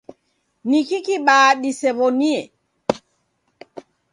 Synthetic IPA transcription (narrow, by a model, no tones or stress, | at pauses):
nikikiɓaːɗisɛβɔniɛ